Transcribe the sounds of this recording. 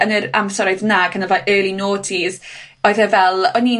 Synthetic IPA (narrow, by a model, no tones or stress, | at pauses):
ənəɾa̰msɛɾɔɨðnaːkʰanavaʔəːlˠinoːdʰið | ɔɨðɛvɛlˠɔni